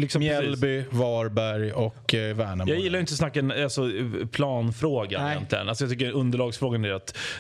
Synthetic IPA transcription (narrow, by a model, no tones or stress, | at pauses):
lɪksɔmjɛlbʏvɑːɾbæɾjɔkvæːɳajɑːɡjjɪlːajʏɪnt̪əɔsnakːaɛnalsɔpʰlɑːnfɾoːɡa̰njɛ̰nt̪ʰlɪɡənalsɔjɑt̪ʏk̬ːəɵnd̪əɭɑːɡsfɾoːɡanæɾat̪